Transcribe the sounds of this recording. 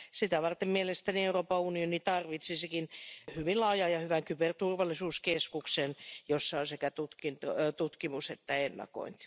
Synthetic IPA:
sit̪æʋɑrt̪emmielest̪ænieuroːpɑunionit̪ɑrʋit̪sisekinhyʋinlɑːjɑːjɑhyʋæŋkypert̪urʋɑlːˑisuːskeskuksenjosːɑonsekæt̪ut̪kint̪ot̪ut̪kimuset̪ːæenːɑ̰ko̰int̪

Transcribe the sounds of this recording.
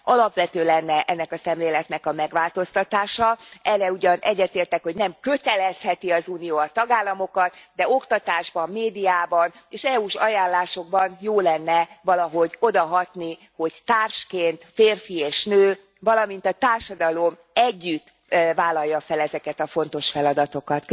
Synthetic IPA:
ɒlɒpʋɛt̪øːlɛnːɛʔɛnːɛkɒsɛmleːlɛt̪nɛkɒmɛɡʋaːlt̪o̞st̪ɒt̪aːʃɒɛrːɛuɟɒnʔɛɟːɛt̪eːrt̪ɛkho̞ɟnɛmkø̞t̪ɛlɛshɛt̪iɒzuːnijoːɒt̪ɒɡaːlːɒmo̞kɒt̪d̪ɛo̞kt̪ɒt̪aːʒbɒmːeːd̪ijaːbɒneːʃɛuʃɒjaːnlːaːʃo̞ɡ̚bɒnjoːlɛnːɛvɒlɒɦo̞ɟo̞d̪ɒɦɒt̪ni | ho̞ɟt̪aːrʃkeːnt̪feːrfieːʃnøː | vɒlɒmint̪ɒt̪aːrʃɒd̪ɒlo̞m | ɛɟːyt̪ː | vaːlɒjːɒfɛlɛzɛkɛt̪ɒfo̞n̪t̪o̞ʃfɛlɒd̪ɒt̪o̞kɒt̪

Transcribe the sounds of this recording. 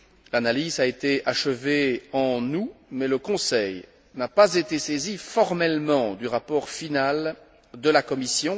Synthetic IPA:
lanalizaet̪eaʃəveɑ̃numɛləkɔ̃sɛj | napazet̪esezifɔʁmɛlmɑ̃d̪yʁapɔʁfinal | d̪əlakɔmisjɔ̃

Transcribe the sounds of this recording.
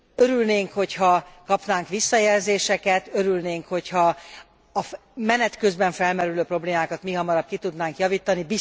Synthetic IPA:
øɾylneːŋkho̞chɒkɒpnaːŋkʋisːɒjɛlzeːʃɛkɛt̪ø̞ɾylneːŋkho̞chɒː | mɛnɛt̪kø̞zbɛɱfɛlmɛɾyløːpro̞bleːmaːkɒt̪miɦɒmɒɾɒp̚kit̪ud̪naːŋkjɒviːt̪ɒnibi

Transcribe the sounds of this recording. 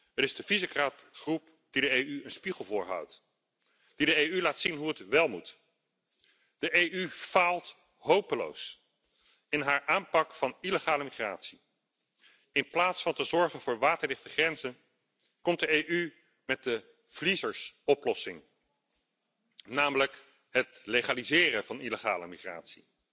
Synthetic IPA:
əɾɪzdəvizəkraːtχrup̚ | d̥idəejyənspiχəlˠvʊːɹɦʌ̰wt | d̥idəejylaːtsinɦuətʋɛlˠmut | d̥əʔejʔyv̥aːlˠt | ɦowpəlo̰ws | ɪnɦaːɹʔaːmpɑkfɑniləχaːləmiχra̰ːtsi | ɪnplaːtsfɑntəzɔɹχənvʊːɹʋaːtəɹlɪχtəχrɛnzən | kɔmt̚dəejʔy | mɛt̚də | v̥lizəɹsɔplɔsɪŋ | naːmələk | ɦətleχaːlizɪːrəvɑniləχa̰ːlə̰miχra̰ːtsi

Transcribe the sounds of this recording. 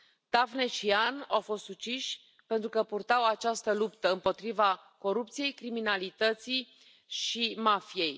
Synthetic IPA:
t̪afnet͡ʃianawfo̞st̪sut͡ʃiʃʲ | pe̞nt̪ɾukəpurt̪awat͡ʃast̪əlupt̪əɨmpo̞t̪ɾiva | ko̞ɾup̚t̪sije̞jkɾiminalit̪ət̪sij | ʃimafije̞j

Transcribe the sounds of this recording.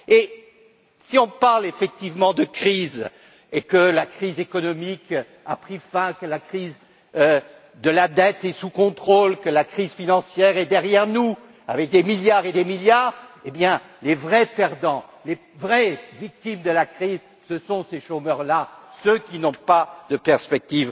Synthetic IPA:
e | siɔ̃paʁlefɛk̚t̪ivmɑ̃d̪əkχiz | ekəlakχizekɔnɔmik | a̰pχifɛ̃kəlakχiz | d̪əlad̪ɛt̪ɛsukɔ̃t̪χolkəlakχizfinɑ̃sjɛʁɛd̪ɛʁjɛʁnu | avɛk̚d̪emiljaʁed̪emiljaːʁebjɛ̃ | levʁɛpɛʁd̪ɑ̃le | vʁɛvik̚t̪imd̪əlakχiz | səsɔ̃seʃomœʁlasøkʲinɔ̃pad̪əpɛʁspɛk̚t̪iv

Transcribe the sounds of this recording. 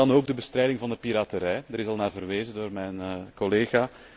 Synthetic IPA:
ɑnoːɡ̚dəbəstrɛjdɪŋvɑndəpiɾaːtəɾɛjdəɾɪsɑlˠnaːvərʋeːzədoːrmɛjnkɔleːɣaː

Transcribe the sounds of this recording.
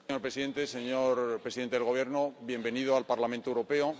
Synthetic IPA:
ɲoɾpɾeiðe̞nt̪e̞se̞ɲoɾpɾesiðent̪eðeɣo̞β̞jeɾnoβje̞mbe̞niðoalpaɾlamẽnt̪oewɾo̞pe̞o

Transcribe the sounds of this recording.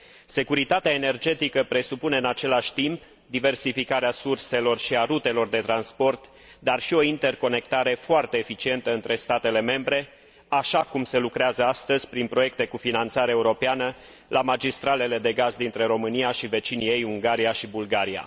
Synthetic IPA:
se̞kuɾit̪at̪eaene̞rd͡ʒe̞t̪ikəpɾe̞supune̞ɨnat͡ʃe̞laʃʲt̪imp | d̪ive̞rsifikaɾeasurse̞lo̞rʃiaɾut̪e̞lo̞rd̪e̞t̪ɾanspo̞rt̪ | d̪arʃio̞int̪e̞rko̞ne̞k̚t̪aɾe̞foart̪e̞ːfit͡ʃie̞nt̪əɨnt̪ɾe̞st̪at̪e̞le̞me̞mbɾe̞ | aʃakumse̞lukɾeazəast̪əzʲpɾinpɾo̞je̞k̚t̪e̞kufinant̪saɾeeuɾo̞peanə | lʔamad͡ʒist̪ɾale̞le̞d̪e̞ɡazd̪int̪ɾe̞ɾo̞mɨniaʃive̞t͡ʃinie̞juŋɡaɾiaʃibulɡaɾia̰

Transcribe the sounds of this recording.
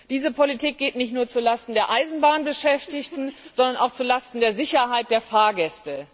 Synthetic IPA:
d̥iːzəpʰolitʰiːk̚ɡ̥eːtnɪçtnuːɐt͡sulastn̩deːɐʔaɪzn̩baːnbəʃɛftɪçtn̩z̥ɔndɐna̰ʊxt͡sulastn̩deːɐzɪçɐɦaɪt̚d̥eːɐfaːɐɡɛstə

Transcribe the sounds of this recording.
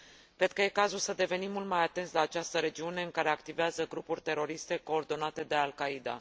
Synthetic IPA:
kɾe̞d̪̥̚kəje̞kazulsəd̪e̞ve̞nimːult̪̚majat̪enslaːt͡ʃast̪əɾe̞d͡ʒiune̞ɨŋkaɾe̞akt̪iveazəɡɾupurʲt̪e̞ɾo̞ɾist̪e̞ko̞ːrd̪o̞nat̪e̞d̪e̞alkaid̪a̰

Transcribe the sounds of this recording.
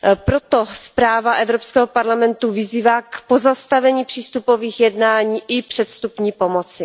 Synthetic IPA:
pɾo̞t̪ospɾaːvaʔɛvɾopskɛːɦopaɾlamɛnt̪uvɪziːvaːkpozast̪avɛɲiːpr̥iːst̪upo̞viːxjɛdnaːɲiːʔɪpr̥ɛt̪st̪upɲiːpo̞mot͡sɪ

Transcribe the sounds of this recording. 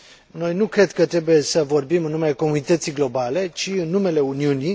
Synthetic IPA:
no̞jnukɾe̞d̪kət̪ɾe̞buje̞səvo̞rbimɨnːumeleko̞munit̪ət̪siɡlo̞bale̞t͡ʃiɨnːume̞le̞uniuni

